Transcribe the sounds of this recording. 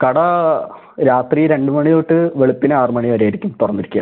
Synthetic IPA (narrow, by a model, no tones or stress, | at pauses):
kɐɽɐ | ɾaːt̪riɾe̞ɳɖɨmɐɳijoːʈːɨʋe̞ɭupːinɨaːrmɐɳiɐɾejiɾikʲːumt̪urɐnːiɾikʲːujɐ̰